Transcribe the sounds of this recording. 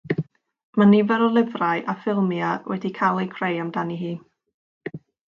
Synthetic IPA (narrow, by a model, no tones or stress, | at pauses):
manivɛɾɔlˠɪvraɨʔafɪlˠmjawɛdikʰalˠejkʰrejamdaniɦiː